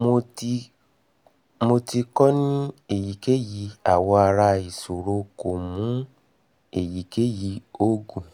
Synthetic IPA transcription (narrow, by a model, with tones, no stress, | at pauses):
mo˧ | mo˧tʰi˧kɔ˦nĩĩ˦e˦˨ji˨˦ke˦ji˨˧˦a˨wɔ˧a˧ɾa˧i˨so˨ɾo˧˦ko˨mũ˨˦ | e˦˨ji˨˦ke˦ji˨˧˦o˦ɡũ˨